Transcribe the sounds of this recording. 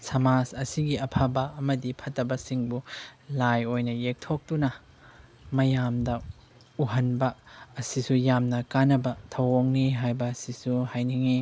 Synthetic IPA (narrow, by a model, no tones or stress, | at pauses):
sɐmasɐsiɡiɐpʰabɐɐmɐdipʰɐtːɐbɐsiŋbulajojnɐjek̚tʰok̚tunɐ | mɐjamdɐ | uɦɐnbɐːsisujamnɐkanɐbɐtʰɐwoŋniɦajbɐːsisuhajniŋi